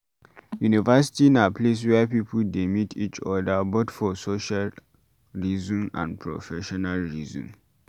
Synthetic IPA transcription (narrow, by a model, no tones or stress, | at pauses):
junivɛs̬i̥tinapʰles̬wɛpipuldemitʰit͡ʃɔdabotfɔsoʃal | ɹizɔ̃nã̰npʰɹo̰fɛʃɔnalɹizɔ̰̃n